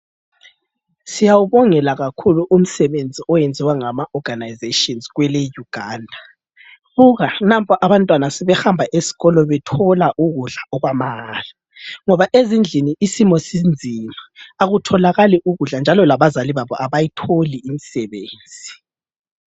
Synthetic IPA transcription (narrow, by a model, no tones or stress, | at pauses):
sijawuβɔŋɛlaɣakʰuluʔum̩sɛβend͡zʱiɔjend͡zʱiwaŋamaʔɔɡ̥anajzetiɔnzɣwɛlɛjuɡ̥ʱaːndʱa | βuɣanampʼɔʔaβantʼwanasɛβɛxambʱaʔesi̥ɣɔlɔβɛtʰɔlaʔuɣuɮaʔɔɣwamaːla | ŋɔβaʔezind͡ɮʱiniisimɔsind͡zʱimaːɣutʰɔlaɣaliʔuɣuɮand͡ʒʱalɔlaβazaliβaβɔʔaβajitʰoliimisɛβeːnd͡zʱi